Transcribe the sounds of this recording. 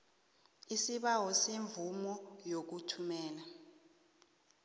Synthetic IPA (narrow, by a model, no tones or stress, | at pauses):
isiɓawɔseɱvumɔjok̬utʰumɛːla